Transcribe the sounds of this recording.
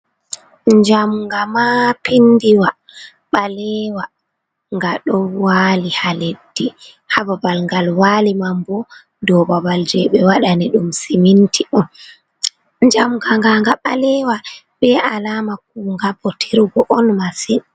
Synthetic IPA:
ɲd͡ʒamŋɡamapindiwa | ɓalɛwa | ŋɡaɗɔwalihaledːi | hababalŋɡalwalimambɔ | dɔbabald͡ʒɛɓɛwaɗaniɗumsimintʰiʔɔn | ɲd͡ʒamɡaŋɡaŋɡaɓalɛwa | ɓɛʔalamak̚uŋɡabɔtʰiɾɡɔʔɔnmasin

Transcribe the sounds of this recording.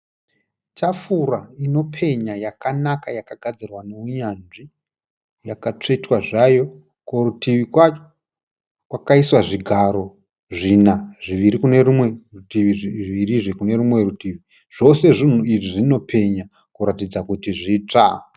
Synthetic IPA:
t͡ʃafuɾaino̞pʰe̞ɲajakanakajakaɡʱad͡zirwaneuɲanʐi | jakat͡ʂe̞twaʐajo̞ | korutiʋikwat͡ʃo | kwakaiswaʐiɡʱaɾo̞ | ʐinaʐiʋiɾikunerumweruiiʋiɾiʐekune̞ɾumwe̞rutiʋi | ʐ̥o̞se̞ʐin̤uiʐiʐino̞pʰe̞ɲa | kuɾatid͡zakutiʐiːt͡ʂa

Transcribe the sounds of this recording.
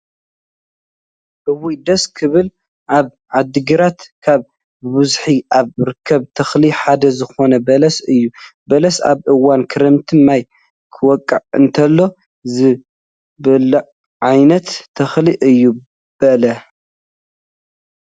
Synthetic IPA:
ʔɨwujd̪ɐskʰɨβɨl | ʔaβ | ʕad̪ːɨɡɨɾat̪kʰaβ | bɨzħiʔaβɾɨkʰːɐβt̪ʰɐxliħad̪ɐzɨxo̞nɐbɐlɐsɨjːubɐlɐsa̰βʔɨwankʰɨɾɐmt̪ʰɨmaj | kʰɨwɔkʼːɐʕɨ̰nt̪ʰɐlːo̞ | zɨ | bɐlɐ | ʕajnɐt̪ʰːɐxliʔɨjːu | b̥ɐlɐ

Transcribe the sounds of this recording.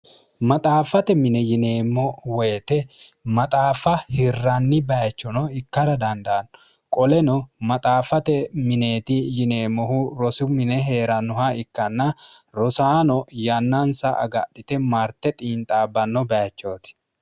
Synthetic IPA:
mɐt̪ʼaːfɐt̪ɛmɪnɛjɪne̞ːmːɔwɛjt̪ɛmɐt̪ʼaːfɐhɪrːanːɪbɐjɐt͡ʃːɔnɔɪkːɐɾɐd̪ɐnd̪ɐʔɐnːɔ | kʼɔlɛnɔmɐt̪ʼaːfɐt̪ɛmɪne̞ːt̪ɪjɪne̞ːmːɔhuɾɔsʊmɪnɛɦe̞ːɾɐnʊɦaɪkːɐnːɐɾɔsaːnɔjanːansɐʔɐ̰ɡɐ̰ɗɪt̪ɛmaːɾt̪ɛt̪ʼiːnt̪ʼaːbːɐnːɔbɐjɐt͡ʃːoːt̪ɪ̥

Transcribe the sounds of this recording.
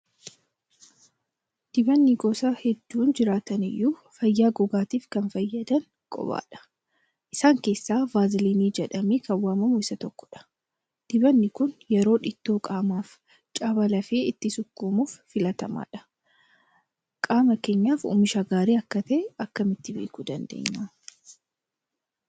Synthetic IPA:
d̪̥ɪbɐnːiɡoːsaːhɛd̪ːuːnd͡ʒɪɾaːt̪ɐnɪ̰jːuːfɐjːaːɡʊɡaːt̪iːfkɐnfɐjːɐd̪ɐŋ | kʼɔ̰ba̰ːᶑɐ̥ | ʔɪsaːŋke̞ːsːaːbaːzɪliːniːd͡ʒɛᶑɐmeːkɐwaːmɐmʊɪsɐt̪ɔkːɔ̥ᶑɐ̥ | d̪̥ɪbɐnːɪkʊnjɛɾo̞ːᶑɪt̪ːoːkʼaːmaːf | t͡ʃʼaːbɐlɐfeːɪt̪ːɪsʊkːuːmuːfːɪlɐt̪ɐma̰ːᶑɐ̥ | kʼaːmɐke̞ːɲːaːfṵːmɪʃɐɡaːɾeːɐkːɐt̪ɐɛɐkːɐmɪt̪ːɪbḛːkud̪ɐnd̪ḛːɲːaː

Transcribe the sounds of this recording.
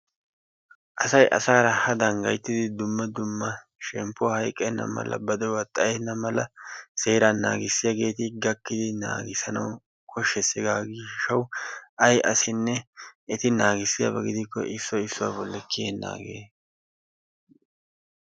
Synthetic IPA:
ʔɐsɐjʔɐ̰saːɾɐhɐd̪ɐŋɡɐjt̪ːɪd̪ɪd̪ʊmːɐd̪ʊmːɐ | ʃɛmpːʊhɐjkʼːɛnːɐ̰mɐ̰lːɐ̰bɐd̪ɛwɐt̪ʼːɐjɛnːɐmɐlɐse̞ːɾanːa̰ːɡɪsːɪjaɡe̞ːt̪ɪɡɐkːɪd̪ɪna̰ːɡɪsɐnɐw | kʰʼɔʃːɛsɪɡaːɡɪʃɐwʔɐjʔɐsɪnːɛɛt̪ɪnaːɡɪsːɪja̰bɐɡɪd̪ɪkːɔ̰ʔɪsːɔɪsːʊwa̰ːbɔlːɛkːɪjeːnːa̰ːɡeː

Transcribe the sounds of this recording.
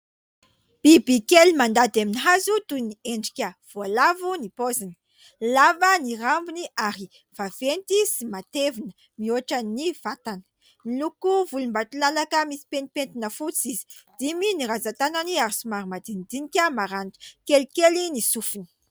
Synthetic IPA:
b̥ibikelimand̪ad̪aminiɦazut̪unieɳɖ͡ʐi̥kʲəv̥oalavunipozini̥ | lavənirambuniʔaɾi | v̥av̥ent̪isimat̪evinə̥ | mioaʈ͡ʂəniv̥at̪anə̥ | milukuvulumbat̪ulalakəmisi̥penipent̪inəfut͡sizi̥ | d̪̥iminiɾazat̪ananiaɾsumaɾimad̪inid̪inikʲəmaɾantə̥kelkʲelinisufini̥

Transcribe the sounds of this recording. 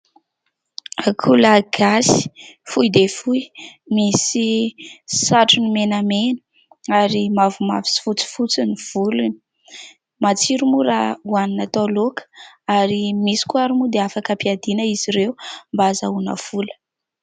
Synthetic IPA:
akʰulaɡ̥asi̥fujd̪efujmisi | saʈ͡ʂunimenamenə̥ | aɾimavuma̰vi̥si̥fut͡si̥fut͡siniv̥uluni̥ | mat͡siɾumuɾauaninat̪alokʰə̥aɾimisi̥kuaɾumud̪eafakapiad̪inəiziɾeumbaza̰unə̰v̥ulə̥

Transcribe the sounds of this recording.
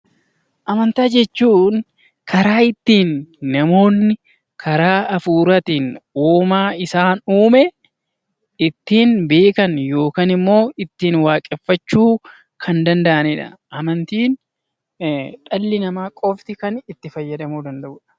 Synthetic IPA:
ʔɐmɐnt̪aːd͡ʒɛt͡ʃːuːn | kʰɐɾaːɪt̪ːiːnːɐmo̞ːnːɪ | kʰɐɾaːɐfuːɾɐt̪ɪnuːmaːɪsaːnuːmɛ | ɪt̪ːiːnbe̞ːkɐnjo̞ːkaːnɪmːo̞ːɪt̪ːiːnwaːkʼɛfːɐt͡ʃːuː | kʰɐnd̪ɐnd̪ɐʔɐnɛᶑɐ̰ʔɐmɐnt̪iːn | ᶑɐlːɪnɐmaːkʼɔft̪ɪkɐnɪt̪ːɪfɐjːɐd̪ɐmuːd̪ɐnd̪ɐʔʊᶑɐ̥

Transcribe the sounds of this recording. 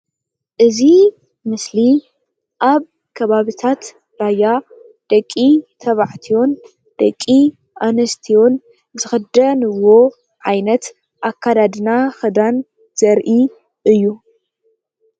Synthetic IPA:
ʔɨzi | mɨsli | ʔaβ | kʰɐβaβit̪ʰat̪ | ɾaja | d̪̥ɐkʼːit̪ʰɐβaʕt̪ʰio̞n | d̪̥ɐkʼːi | ʔanɐst̪ʰio̞n | zɨxɨd̪ɐnɨwo̞ | ʕajnɐt̪ | ʔakʰːad̪ad̪ɨnaxɨd̪an | z̥ɐɾʔi | ʔɨjːu

